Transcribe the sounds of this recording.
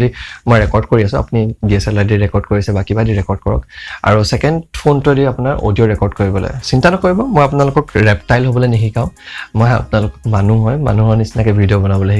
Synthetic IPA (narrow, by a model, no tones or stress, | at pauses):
dimojɹɛkɔɹdkoɹiasʊ̃a̰punibiɛsɛladiɹɛkɔɹdkoɹisɛbakibadiɹɛkɔɹd̚kɔɹɔ̰ka̰ɹusɛkɛndpʰontudiapunaɹʔo̰dijɔɹɛkɔɹdkoɹibɔlɔ̰jsintanɔkoɹibɔmɔjapʊnalʊkɔkɹɛptajlɦobɔlojniɦikaʊ̃mɔja̰pʊnalʊkɔ̥kmanuɦɔjma̰nuɦɔɹnisinakɛbʱidiɔbɔnabɔloɦi